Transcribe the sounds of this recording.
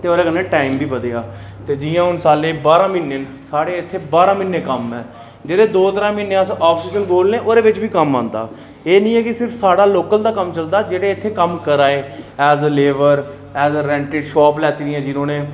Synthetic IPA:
t̪eːoːɾeːkənːẽːʈaːimbʱiːʋəd̪ejaː | t̪eːd͡ʒiːjãːʊnsaːlẽːbaːɾãːmɪnːənsaːɽeːɪt̪ʰːeːbaːɾãːmɪnːẽːkəmɛː | d͡ʒeːɽeːd̪oːt̪əɾãːmɪneːasaːpsiːʃənboːlnẽːʔoːɾeːʋɪt͡ʃbiːkəmːã̰ːnd̪a̰ː | eːnĩːɛːkɪsɪɾfʰsaːɽaːloːkəld̪aːkəmt͡ʃəld̪aːd͡ʒeːɽeːɪt̪ʰːeːkəmkəɾaːeːɛːzəleːʋəɾ | ɛːzɾɛ̃ːɳʈɪɖʃɔːplɛːt̪iːɾɪjãːd͡ʒɪnõːneː

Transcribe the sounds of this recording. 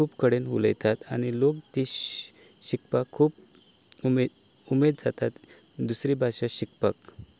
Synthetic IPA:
kuːpkəɽenɦṵlə̰jt̪at̪añilokt̪i | ɕikpakʰːuːp | me | umed̪̚d͡zat̪at̪ | d̪usɾibʱaɕaɕikpək

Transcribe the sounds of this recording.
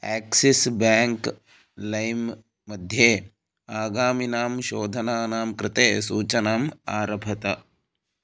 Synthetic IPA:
ɛːksisbaːŋk | lɐjmː | ɐd̪ʱjeː | aːɡaːminaːmʃoːd̪ʱɐnaːnaːmkɾɪt̪eːsuːt͡ʃɐnaːma̰ːɾɐbʱɐt̪ɐ

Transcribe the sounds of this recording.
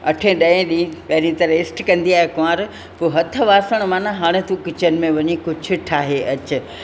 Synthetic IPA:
ɐʈʰẽɗɐẽɗĩpɐɦɪɾĩt̪ɐɾɪsʈkɐ̃nd̪iaːɦekoãːɾ | poːɦɐt̪ʰə̆ʋaːsəɽ̃maːnãɦaːɽ̃et̪ũkɪt͡ɕənɪ̆mẽʋɐɲikʊd͡ʑʱʊ̆ʈʰaːɦeʔɐt͡ɕʊ

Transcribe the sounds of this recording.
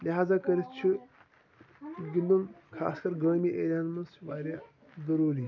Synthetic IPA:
liɦaːzakɐɾist͡ʃʰi | ɡind̪umkʰa̰ːskɐɾɡəːmiʔelʲaːnmɐnsʋaːɾʲa | d̪ɐɾuːli

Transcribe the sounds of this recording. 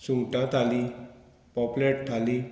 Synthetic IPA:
suʈãt̪ali | pɔpleʈʈʰalĩ

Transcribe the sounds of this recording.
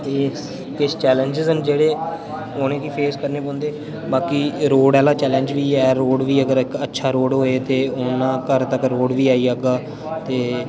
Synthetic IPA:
t̪eː | kɪst͡ʃɛːlə̃nd͡ʒɪzənd͡ʒeːɽeː | oːnẽːkiːpʰeːskəɾneːpõːnd̪eː | baːkiːɾoːɽɛːlaːt͡ʃɛːlə̃ɲd͡ʒʋiːɛːɾoːɽʋiːəɡəɾɪkətːʃʰaːɾoːɽɦoːeːt̪eːʊnãːkəɾt̪əkɾoːɽʋiːaːiːaɡaː | t̪eː

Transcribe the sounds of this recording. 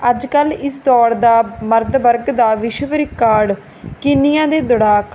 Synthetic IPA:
əd͡ʒkəlɪst̪ɔːɾd̪aːməɾt̪bəɾɡd̪aːʋɪʃʋɾɪkːaːɖ | kɪnijãːd̪eːd̪ʊɽaːk

